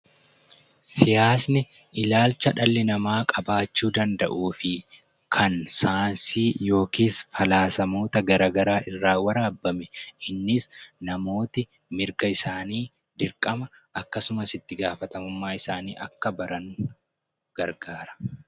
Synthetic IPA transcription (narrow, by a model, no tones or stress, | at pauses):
sɪjaːsnɪ | ʔɪlaːlt͡ʃːɐᶑɐlːɪnɐmaːkʼɐbaːt͡ʃːuːd̪ɐnd̪ɐʔuːfɪ | kʰɐnsaːnsiːjo̞ːkiːsfɐlaːsɐmo̞ːt̪ɐɡɐɾɐːɡɐɾaːʔɪrːaːwɐɾaːbːɐmɛʔɪnːɪsnɐmo̞ːt̪ɪ | mɪɾkɐɪsaːniː | d̪ɪɾkʼːɐmɐɐkːɐsʊmɐsɪt̪ːɪɡaːfɐt̪ɐmʊmːaːɪsaːniːʔɐkːɐbɐɾɐŋ | ɡ̥ɐɾɡaːɾɐ̥